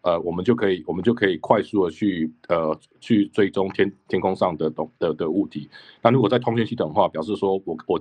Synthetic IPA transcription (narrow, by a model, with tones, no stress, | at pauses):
ə˨wɔ˨˩mə˨˦nt͡ɕjo˥˩ʊkʰɤ˧˦˥i˨˩wɔ˨˩mə˨˦nt͡ɕjo˥˩ʊkʰɤ˧˦˥i˨˩kʰwa˥˧ɪsu˥˨d̪ə˩t͡ɕʰy˥˩ə˩ | t͡ɕʰy˥˧t͡swe˥˩ɪʈ͡ʂʊ˥ŋt̪ʰjɛ˥nt̪ʰjɛ˥nkʰʊ˥ŋʂɑ˥˩ŋd̪ə˩t̪ʊ˨˩ŋd̪̥ə˨d̪ə˨u˥˩t̪ʰi˨˦na˥˩ɻu˧˥kwɔ˨˩t͡sa˥˩ɪt̪ʰʊ˥ŋɕɥɛ˥nt͡ɕi˥t̪ə˨˩ŋxwa˥˩pjɑ˨˩ʂ̬ɻ̩˥˩swɔ˥wɔ˨˩wɔ˨˩